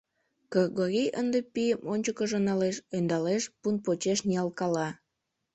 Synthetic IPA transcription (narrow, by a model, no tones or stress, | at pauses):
kɑɡoɾʲijə̰nd̪epijəmʔonʲt͡ɕəkəʒonɑleʃønd̪ɑleʃpunpot͡ɕeʃniɑlkɑlɑ